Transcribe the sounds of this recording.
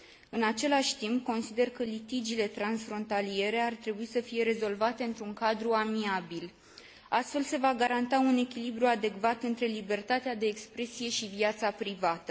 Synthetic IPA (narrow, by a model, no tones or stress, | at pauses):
ɨnat͡ʃe̞laʃʲt̪imp̚ko̞nsid̪e̞rkəlit̪id͡ʒile̞t̪ɾansfɾo̞nt̪alie̞ɾe̞art̪ɾe̞buisəfije̞ɾe̞zo̞lvat̪e̞ɨnt̪ɾuŋkad̪ɾuamiabil | ast̪fe̞lse̞vaɡaɾant̪aune̞kʲilibɾuad̪e̞kvat̪ɨnt̪ɾe̞libe̞rt̪at̪ead̪e̞ːkspɾe̞sije̞ʃiviat̪sapɾivat̪ə̥